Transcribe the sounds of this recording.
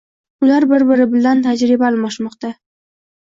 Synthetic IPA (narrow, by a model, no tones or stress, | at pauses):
ʊlaɾbɪɾbɪɾɪbɪlant̪ʰad͡ʒɾɪbalˠmɒʃmɒqt̪a